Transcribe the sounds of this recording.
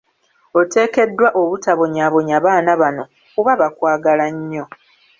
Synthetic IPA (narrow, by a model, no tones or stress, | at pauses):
o̞te̞ːke̞dːwaʔo̞βutaβo̞ɲaβo̞ɲaːβaːnaβano̞ | kuβaβakwaːɡalaɲːo̞